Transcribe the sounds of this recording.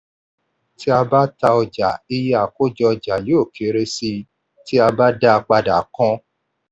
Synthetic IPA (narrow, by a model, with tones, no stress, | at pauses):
ti˦a˧ba˦ta˧ɔ˧d͡ʒa˨i˧je˦a˨ko˦d͡ʒɔ˧ɔ˧d͡ʒa˨li˨˦o˦˨kʰe˨˦ɾe˦si˧ | ti˦a˧ba˦da˦˧k͡pa˧da˨˦kɔ̃˦